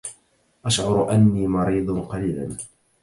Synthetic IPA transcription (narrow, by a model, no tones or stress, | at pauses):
ʔaʃʕʊɾˤʔanːiːmɑɾiːd̪ˤnqɑliːlan